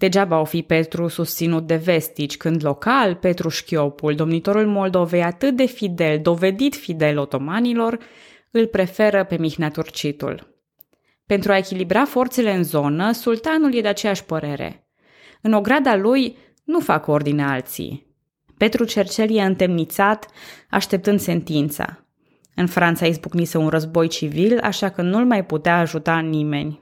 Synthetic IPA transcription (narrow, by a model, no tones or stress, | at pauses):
d̪̥e̞d͡ʒabaawfipe̞t̪ɾusust̪sinut̪̚d̪e̞ve̞st̪it͡ʃʲkɨnd̪lo̞kalpe̞t̪ɾuʃkʲio̞puld̪o̞mnit̪o̞ɾulmo̞ld̪o̞ve̞jat̪ɨt̪̚d̪e̞fid̪e̞ld̪o̞ve̞d̪it̪fid̪e̞lo̞t̪o̞manilo̞r | ɨlpɾe̞fe̞ɾəpe̞mixnat̪urt͡ʃit̪ṵl | pe̞nt̪ɾuae̞kʲilibɾafo̞rt̪se̞le̞ɨnzo̞nəsult̪anulje̞d̪eat͡ʃe̞jaʃʲpəɾe̞ɾḛ | ɨno̞ɡɾad̪aluj | nufako̞rd̪inealt̪sḭj | pe̞t̪ɾut͡ʃe̞rt͡ʃeljeɨnt̪e̞mnit̪sat̪a̰ʃt̪e̞p̚t̪ɨnd̪se̞nt̪int̪sa̰ | ɨnfɾant̪saisbuknisəunrəzbo̞jt͡ʃivila̰ʃakənulmajput̪eaːʒut̪anime̞nʲ